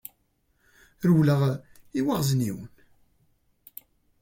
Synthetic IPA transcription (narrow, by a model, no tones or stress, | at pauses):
ɾwləʁiwaʁznḭwən